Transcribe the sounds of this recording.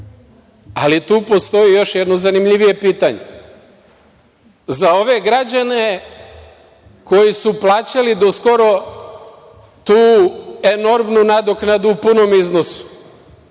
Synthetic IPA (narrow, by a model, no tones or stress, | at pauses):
a̰lit̪uːpo̞st̪o̞jijo̞ʃjɛd̪nozanimʎiʋije̞piːt̪aɲḛ | zao̞ʋe̞ɡɾad͡ʑane | ko̞jisuplˠaːt͡ɕalid̪o̞sko̞ɾo̞ | t̪uːe̞no̞ɾmnunad̪oknad̪uupuno̞mizno̞su̥